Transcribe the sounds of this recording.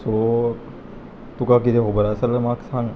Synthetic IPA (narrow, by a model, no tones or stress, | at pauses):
so | t̪ukakiɾeɦobəɾasələmaksaŋ